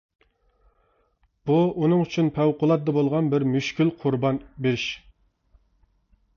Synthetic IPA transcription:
b̥uunɨŋyt͡ʃʰynpʰæwqʊlˠɑt̪̚d̪ɑbolˠʁɑnbɪɾmyʃkʲilqʰʊɾbɑnbeʃ

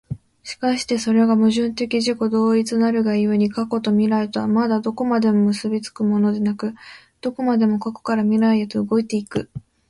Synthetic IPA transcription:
ɕi̥kaɕi̥t̪e̞so̞ɾe̞ɡamɯ̟ʑɨ̃nt̪e̞kʲiʑiko̞d̪o̞ːit͡sɨnaɾɯ̟ɡaiɯɲ̟ikako̞t̪o̞mʲiɾaet̪amad̪ad̪o̞ko̞mad̪e̞mo̞mɯ̟sɨbʲit͡sɨ̥kɯ̟mo̞no̞d̪e̞nakɯ̟ | d̪̥o̞ko̞mad̪e̞mo̞kako̥kaɾamʲiɾaiet̪o̞ɯɡo̞it̪e̞ikɯ̟

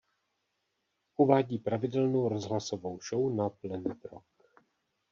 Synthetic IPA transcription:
ʔuvaːɟiːpɾavɪdɛlnowɾozɦlasovo̞wʃownaplɛnɛt̪ɾo̰k̚

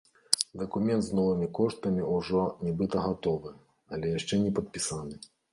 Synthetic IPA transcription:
d̪ɐkumʲɛnt̪znɔvɨmʲikɔʂt̪ɐmʲiuʐɔnʲɛbɨt̪ɐɣat̪ɔvɨ | ɐlʲɛjaʂt͡ʂɛnʲɛpɐt̪̚pʲisanɨ

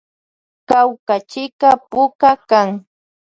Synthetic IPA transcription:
kawkat͡ʃɪkapʊkakaŋ

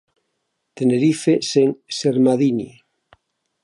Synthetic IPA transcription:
t̪eneɾifeseŋseɾmaðini

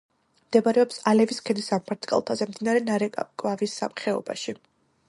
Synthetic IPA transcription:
md̪ɛbaɾɛɔpsalɛviskʰɛd̪isampʰaɾt̪ʼkʼa̰lˠt̪ʰazɛmd̪inaɾɛnaɾɛkʼvavisːa̰mχɛɔ̰ba̰ʃi

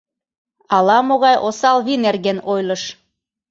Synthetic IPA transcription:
ɑlɑmoɣɑjʔosɑlβinerɣenojlɤʃ

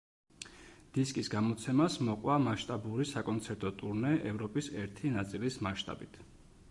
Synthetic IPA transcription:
d̪̥iskʼisɡamɔt̪sʰɛmasmɔqʼwamaʃt̪ʼabuɾisakʼɔnt̪sʰɛɾt̪ʼɔt̪ʼuɾnɛʔɛvɾɔpʼisɛɾt̪ʰinat̪sʼilismaʃt̪ʼa̰bit̪ʰ

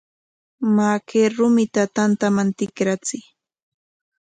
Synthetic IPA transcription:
makʰeɾʊmɪt̪at̪ant̪amant̪ɪkɾat͡sɪj

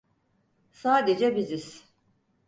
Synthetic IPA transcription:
saːd̪ed͡ʒɛbiziz̥

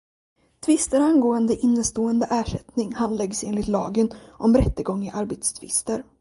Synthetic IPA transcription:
t̪ʰvɪst̪əɾanɡoːənd̪əʔɪnːəst̪oːənd̪əʔæːʂɛt̪nɪŋhand̪lɛɡseːnlɪt̪lɑ̰ːɡənʔɔmɾɛt̪ːəɡɔŋːɪʔaɾbeːt̪st̪ʰvɪ̰st̪əɾ

